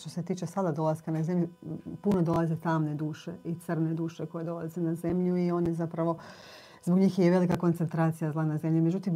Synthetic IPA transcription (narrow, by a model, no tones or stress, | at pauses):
t̪ose̞t̪iːt͡ʃesad̪ad̪o̞lˠaskanaze̞mʎupuno̞d̪o̞lˠaze̞t̪aːmned̪uːʃe̞it̪sər̩ned̪uːʃeko̞jed̪o̞lˠazenaze̞mʎuio̞njezapɾaʋo̞ | zboɡɲiːxjeʋe̞likako̞nt̪se̞nt̪ɾaːt̪sijazlˠanaze̞mʎimed͡ʒut̪im